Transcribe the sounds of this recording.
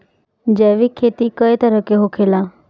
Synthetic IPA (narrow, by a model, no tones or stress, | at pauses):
d͡ʒeʋikʰeːt̪ikəjt̪əɾəkeɦokʰela